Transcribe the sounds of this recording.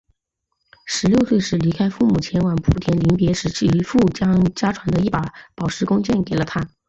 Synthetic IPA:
ʂɻ̩˧˥ljo˥˧ʊswe˥˧ɪʂɻ̩˧˥˩li˧˥kʰa˥ɪfu˥˩mu˨˩t͡ɕʰjɛ˧˥nwa˧˥npʰu˨˩t̪ʰjɛ˧˥nli˧˥npjɛ˧˥ʂɻ̩˧˥t͡ɕ̩ʰ˥˩i˧˥fu˥˩t͡ɕjɑ˥ŋt͡ɕja˥ʈ͡ʂʰwa˧˥nd̪ə˧i˥˩pa˨˩˥pɑ˨˩ʊʂɻ̩˧˥kʊ˥ŋt͡ɕjɛ˥˩nke˨˩ɪlə˦t̪ʰa˥

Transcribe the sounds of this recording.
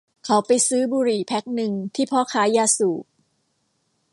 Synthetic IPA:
kʰa˨˥wpa˧jsɯː˦˥buː˧ɾiː˨˩pʰɛ˦˥k̚nɯ˧ŋt̪ʰiː˥˩pʰɔː˦˥˩kʰaː˦˥jaː˧suː˨˩p̚

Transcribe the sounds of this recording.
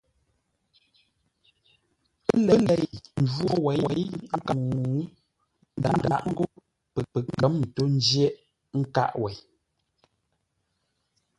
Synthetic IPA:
pə˦lɛ˦lɛ˨jn̩˨d͡ʒwɔ˦wɛ˨˦ɛ˨˦jŋ̩˦kə˨ŋŋu˨˦ | n˦˨da̰˨˦n˨də˨ʔŋ̩˦ɡo˦ | pə˨pə˨k̚n̩˦ɡə˨˦mn̩˨to˦n̩˦d͡ʒje˦ʔ | ŋ̩˦ka̰˦ʔwɛ˨j

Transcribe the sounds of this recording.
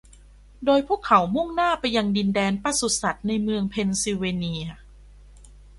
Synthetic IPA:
doː˧jpʰuː˥˩˨kʰa˩˦wmu˥˩ŋnaː˥˩pa˧jːa˧ŋdi˧ndɛː˧npa˧˥su˨˩sa˨˩t̪̚na˧jmɯ˧əŋpʰe˧nsi˧weː˧ni˧ɐ

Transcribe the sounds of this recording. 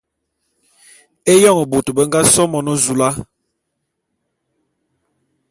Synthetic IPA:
e˦jɔ˦˨ŋə˨bo˨tə˨bə˦ŋ˦ɡa˦sɔ˦mɔ˨nɔ˦zu˨la˦

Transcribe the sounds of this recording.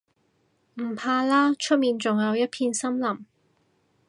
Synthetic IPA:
m̩˨˩pʰaː˧laː˥t͡ʃʰɵ˥t̚miː˨˧nt͡sʊ˨ŋjɐ˨˧wjɐ˥t̚pʰiː˧nsɐ˥mlɐ˨˩m

